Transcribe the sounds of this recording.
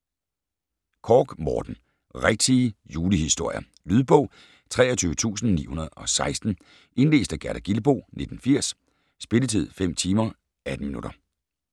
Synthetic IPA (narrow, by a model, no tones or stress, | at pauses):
kʰɒːɡ̥mɒːd̥n̩ | ʁeɡ̥̚t͡sʰijuːləhisd̥o̝ɐ̰jɐ | lyð̞ˠb̥ɔ̽ʊ̰ | t͡sʰʁɛ̰ːɐt͡sʰyːʊət͡sʰṵːsn̩nḭːhunɐð̞̩ˠɒ̽sɑ̈ɪsd̥n̩ | e̝nle̝̰ːsd̥æɡ̥æɐɾ̥æɡ̥ilb̥o̝̰ːne̝d̥n̩fiɐ̰sː | b̥e̝lət͡sʰið̞̰ˠfem̰t͡sʰiːmɐ | æd̥n̩minuɾ̥ɐ